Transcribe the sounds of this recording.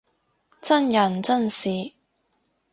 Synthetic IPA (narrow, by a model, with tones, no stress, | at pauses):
t͡sɐ˥njɐ˨˩nt͡sɐ˥nsiː˨˩